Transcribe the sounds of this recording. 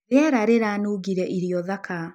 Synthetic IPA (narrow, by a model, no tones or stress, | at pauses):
ɾeaɾaɾeɾanoɣiɾɛʔiɾiɔðaka